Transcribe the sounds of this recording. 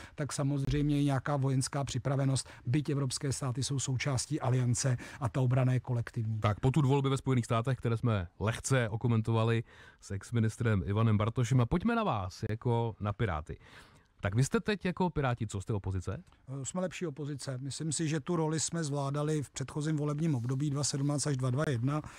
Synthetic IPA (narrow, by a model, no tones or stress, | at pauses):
t̪aksamo̞zr̝ɛjmɲɛjɛɲɛakaːvo̞jɛnskaːpr̝̥ɪpɾavɛno̞st̪bɪcɛvɾo̞pskɛːst̪aːt̪ɪsowso̞wt͡ʃaːsciːʔalɪjant͡sɛʔat̪aobɾanajɛko̞lɛkt̪ɪvɲiːt̪akpot̪ud̪vo̞lbɪvɛspo̞jɛniːxst̪aːt̪ɛxkt̪ɛɾɛːsmɛlɛxt͡sɛʔokomɛnt̪ovalɪsʔɛksmɪnɪst̪ɾɛmɪvanɛmbaɾt̪oʃ̬ɛmapocmɛnavaːsjako̞napɪɾa̰ːt̪ɪ̰ | t̪akvɪst̪ɛt̪ɛcjako̞pɪɾaːcɪt͡sost̪ɛopo̞zɪt͡sɛ̰smɛlɛpʃiːopo̞zɪt͡sɛmɪslɪmsɪʒɛt̪uɾo̞lɪsmɛzvlaːdalɪfpr̥ɛt̪xo̞ziːmvo̞lɛbɲiːmo̞bdo̞biːdvasɛdumnaːt͡st̪aʒdvadvajɛdna